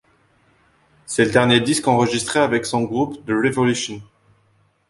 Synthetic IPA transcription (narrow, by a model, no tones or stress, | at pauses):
sɛləd̪ɛʁnjed̪iskɑ̃ʁəʒist̪χeavɛksɔ̃ɡʁupd̪əʁevɔlyʃɔn